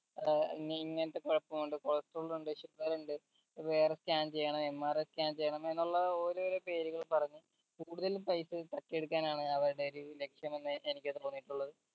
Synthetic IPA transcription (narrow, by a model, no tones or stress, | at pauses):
ḭŋːiŋːɐnɐt̪ːekoɻɐpːɐmuɳɖɨkoɭɐst̪uɭuɳɖɨɕurɐluɳɖɨ | ʋe̞ːreskʲaːmt͡ɕe̞jːɐɳɐmemːaːreskʲaːmt͡ɕejːɐɳɐme̞nːuɭːɐoːɾuoɾepe̞ːɾuɣɐɭpɐrɐɲːɨ | kuːɽuðɐlupɐjsɨt̪ɐkːeɽukːaːnaːɳɨɐʋɐɾuɽe̞oɾule̞kʂjɐmenːɨʔenikʲːɨt̪o̞ːnːiʈːuɭːɐðɨ